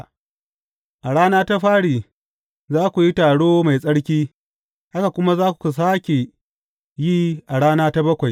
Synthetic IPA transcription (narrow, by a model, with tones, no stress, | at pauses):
ʔa˨ɽaː˦naː˦ta˦ɸaː˦ɽiː˨ | zaː˦kʷu˨ji˦taː˨ɽoː˦ma˨jsʼɐ˦ɽkʲiː˦ | ha˦ka˨kʷʊ˦ma˦zaː˦kʷu̥˨ku˨s̬aː˦kʲe˨ | ji˦ʔa˨ɽaː˦naː˦ta˦bɐ˦kʷa˨j